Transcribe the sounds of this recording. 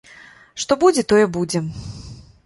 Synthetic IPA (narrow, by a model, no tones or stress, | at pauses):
ʂt̪ɔbud͡zʲɛt̪ɔjɛbud͡zʲɛ